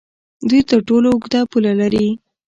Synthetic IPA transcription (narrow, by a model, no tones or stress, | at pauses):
d̪ujt̪əɾʈoloʊɡd̪apulalaɾi